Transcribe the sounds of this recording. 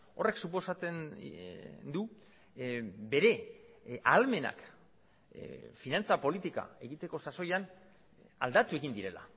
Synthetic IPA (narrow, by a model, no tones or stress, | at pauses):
o̞re̞ksupo̞sat͡sen | nd̪u | be̞ɾe̞ | alme̞na̰k | finant͡sapo̞lit̪ika̰e̞ɣit̪e̞ko̞saso̞jan | a̰ld̪at̪ue̞ɣind̪iɾe̞la̰